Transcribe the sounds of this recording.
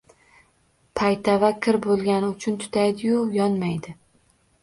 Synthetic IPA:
pʰajt̪ʰavakʲʰɪɾbolˠɡʲanɪʊt͡ʃʰʊnt̪ʰʊ̥t̪ʰajd̪ɪjʊjɒnmajd̪ɪ

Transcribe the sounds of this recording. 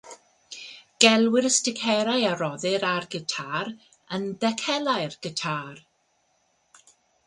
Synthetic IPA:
ɡ̥ɛlˠwɪɾəstɪkʰɛɾajaɾɔðɪɾarɡətʰaːɾ | əndɛkʰɛlˠajrɡ̥ətʰaːr

